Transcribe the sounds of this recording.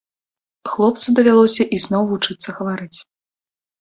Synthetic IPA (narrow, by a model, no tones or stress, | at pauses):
xlˠɔp̚t̪sud̪ɐvʲalˠɔsʲɐʔiznɔwvut͡ʂɨt̪sːɐɣɐvaɾɨt͡sʲ